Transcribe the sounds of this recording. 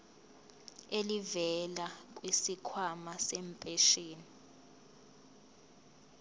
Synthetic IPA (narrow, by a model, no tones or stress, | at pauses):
elivɛlak̬ʼwisikʰwamasɛːmpʼeʃeːni